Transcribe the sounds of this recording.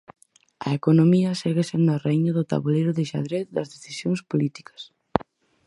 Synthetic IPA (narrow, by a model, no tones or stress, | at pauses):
ɐ̰ekonomiɐseɣesend̪areiɲɐðʊt̪a̰βulejɾʊðɪʃa̰ðɾet̪d̪ɐzðeθisjoŋspolit̪i̥kɐ̥s